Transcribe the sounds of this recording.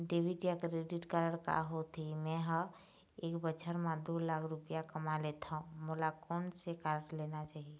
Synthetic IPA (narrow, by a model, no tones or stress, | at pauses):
ɖeːʋiɖijakɾeɖiʈkaɾəɽka̰ɦot̪ʰimɛ̃ɦə | eːkbət͡ʃʰəɾmãd̪olakʰɾʊpijakəmalet̪ʰaũmolakɔːnsekaːɾʈlenat͡ʃaːɦie